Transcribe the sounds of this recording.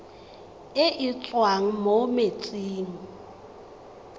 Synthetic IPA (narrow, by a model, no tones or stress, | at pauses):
ɪʔɪt͡sʼwaŋ̩momet͡sʼiːŋ̩